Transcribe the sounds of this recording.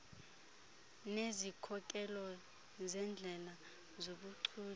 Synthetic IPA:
nezikʰɔkʼɛlɔ | zɛnd͡ɮʱɛla | zoɓuǀʰuː

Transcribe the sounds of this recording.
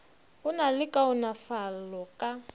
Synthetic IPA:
ʊnalɪkʼaʊnafalɔkʼa

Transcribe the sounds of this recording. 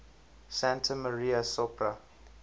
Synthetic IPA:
sãntʰəməɹiasɔpʰɹa

